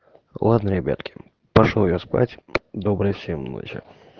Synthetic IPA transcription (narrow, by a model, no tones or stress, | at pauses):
lˠad̪nəɾʲɪbʲa̰t̪kʲɪ̥ | pɐʂojospa̰tʲd̪obɾɨjfsʲemno̰t͡ɕɪ̰